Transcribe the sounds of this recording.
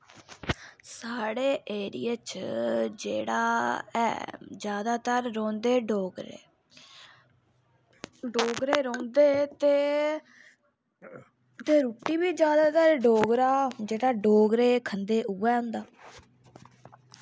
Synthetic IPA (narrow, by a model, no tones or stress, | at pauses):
saːɽeːʔeːɾḭjat͡ʃd͡ʒḛːɽaːɛ̰ːd͡ʒjaːd̪aːt̪əɾːõːnd̪eːɖoːɡɾḛ | ɖoːɡɾeːɾõːnd̪eːt̪eː | t̪eːɾuːʈiːbiːd͡ʒjaːd̪aːt̪əɾɖoːɡɾaːd͡ʒeːɽaːɖoːɡɾeːkʰənd̪eːʔuːɛːɦʊ̃nd̪aː